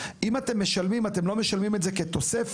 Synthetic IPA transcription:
imat̪e̞mːe̞ʃalmimat̪e̞mlo̞me̞ʃalmimetzeke̞t̪o̞sef

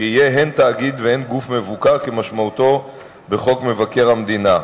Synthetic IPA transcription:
eijeɦent̪aːɡid̪veenɡufme̞vukaʁkemaʃmaut̪o̞ | be̞χo̞kme̞vake̞ʁamd̪ina

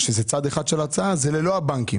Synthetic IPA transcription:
ʃezet͡sad̪eχad̪ʃelat͡saazelelo̞abaŋkim

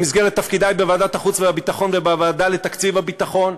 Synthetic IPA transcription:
misɡeʁet̪ːafkid̪ajbevaːd̪at̪aχut͡sveabit̪aχo̞nvebaavaːd̪alet̪akt͡sivabit̪aχo̞n

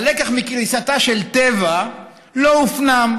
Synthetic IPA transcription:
lekaχmikʁisat̪aʃelt̪eva | loufnam

